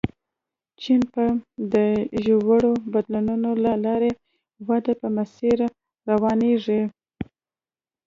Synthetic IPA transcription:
t͡ʃinpəd̪əʒowaɽobad̪lununolalɑɾe | wad̪apəmasiɾ | ɾawɑneʐi

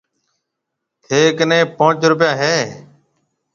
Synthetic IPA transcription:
hʰeːknẽːpãːt͡ʃɾʊp̬jaːɦeː

